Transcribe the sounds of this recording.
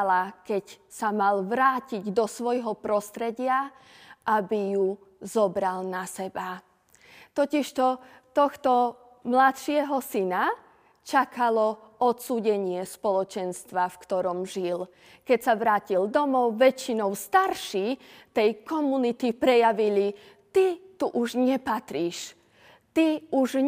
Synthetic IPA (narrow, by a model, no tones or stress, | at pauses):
lakɛc | samalʋɾaːciɟd̪ɔsʋɔjɦɔpɾɔst̪ɾɛɟɪa | ʔabiju | zɔbɾalnasɛba | t̪ɔciʃt̪ɔ | t̪ɔxt̪ɔ | mlat̪ʃɪɛɦɔsina | t͡ʃakalɔ | ɔt̪suːɟɛɲɪɛspɔlɔt͡ʃɛnst̪ʋafkt̪ɔɾɔmʒil | kɛcsaʋɾaːcild̪ɔmɔʊʋɛt͡ʃinɔʊst̪aɾʃit̪ɛjkɔmunit̪ipɾɛjaʋili | t̪it̪uʔuʒɲɛpat̪ɾiːʃ | t̪iuʒ